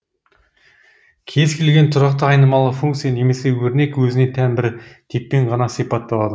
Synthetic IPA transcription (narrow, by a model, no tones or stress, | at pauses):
kʲʰe̞zkʲʰe̞lɡʲe̞nt̪ʰʊɾɑqt̪əɑjnəmɑlˠəfuŋkt̪sijane̞me̞se̞wɵɾne̞kwɵzɪne̞t̪ʰænbɪɾɪd̪̥ʰepːe̞ɴʁɑnɑsijpɑt̪ːɑlˠɑd̪ə